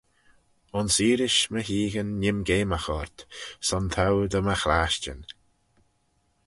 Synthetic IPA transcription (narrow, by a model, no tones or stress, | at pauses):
ʊnsiːɾɪʃməɦiːɣənːɪmɡeːmaxɔɾt̪sɔnt̪ʰawd̪əməxɾaːʃt͡ʃə̰n